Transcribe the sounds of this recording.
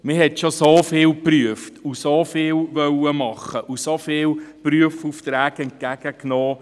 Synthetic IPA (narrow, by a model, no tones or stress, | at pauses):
mɪhɛtʃosofɪːlpryəftusofɪːlvœwəmɑχəʔusofɪːlpryəfuftɾæːɡɛnt̚kæɡ̥əknoː